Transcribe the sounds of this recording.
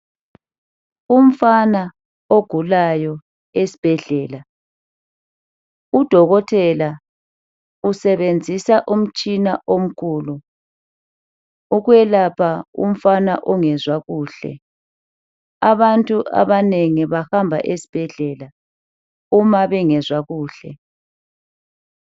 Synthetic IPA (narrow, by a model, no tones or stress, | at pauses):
um̩fana | oɡ̥ʱulajɔ | esi̥b̥ʱɛɮɛːla | ud̥ʱɔɣɔtʰɛla | usɛβend͡zʱisaʔum̩t͡ʃʼinaʔom̩kʰuːlu | uɣwɛlapʰaṵm̩fana̰ʔɔŋɛzwaɣuːɬɛ̰ | aβantʼuʔa̰βaneŋiβahambʱa̰ʔesi̥b̥ʱɛɮɛla | umaβɛŋɛzwaɣuːɬɛ̰